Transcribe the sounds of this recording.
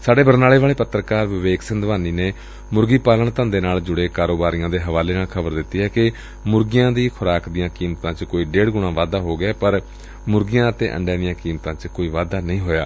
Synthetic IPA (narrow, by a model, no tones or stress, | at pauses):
saːɖeːbəɾnaːleːʋaːleːpət̪ːɾəkaːɾʋɪʋeːɡsɪnd̪ʋaːniːneː | mʊɾɡiːpaːləɳt̪ə̃ːnd̪eːnaːld͡ʒʊɽeːkaːɾoːbaːɾijãːd̪eːɦəʋaːleːnaːlkʰəbəɾd̪ɪt̪ːiːɦɛːkɪ | mʊɾɡɪjãːd̪iːkʰʊɾaːkd̪ɪjãːkiːmt̪ãːt͡ʃkoːiːɖeːɽɡʊɽɳãːʋaːd̪aːɦoːɡɪaːpəɾ | mʊɾɡɪjãːət̪ḛːʔə̰̃ɳɖẽːd̪ijãːkiːmt̪ãːt͡ʃkoːiːʋaːd̪aːnəĩːɦoːja̰ː